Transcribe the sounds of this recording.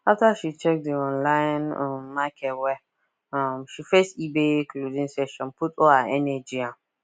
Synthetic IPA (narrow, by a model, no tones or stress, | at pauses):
aftaʃit͡ʃɛk̚diɔ̃nlãjnãmːakʰɛtwɛ | ãmʃifɛstibẽkʰludĩnsɛʃɔ̃nputɔaɛnɛd͡ʒiã